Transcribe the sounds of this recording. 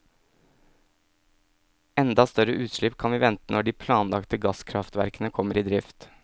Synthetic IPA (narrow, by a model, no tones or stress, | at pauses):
ɛnd̪ɑst̪œɾəʔʉːt̪ʃɭɪpkʰɑnʋiːʋɛnt̪ənɔɖiːpʰlɑːnlɑkt̪əɡɑskʰɾɑft̪ʋæɾkənəkʰɔməɾiːd̪ɾɪft̪